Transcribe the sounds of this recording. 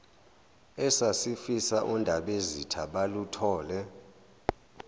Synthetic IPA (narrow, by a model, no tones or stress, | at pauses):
ɛsasifisaʔundʱaɓezitʰaɓalutʰɔːlɛ